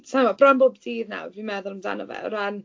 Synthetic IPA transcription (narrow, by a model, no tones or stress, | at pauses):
samɔbrɔmbobdiːðna̰wrvimɛðʊlˠəmda̰nəvɛ̰ɾan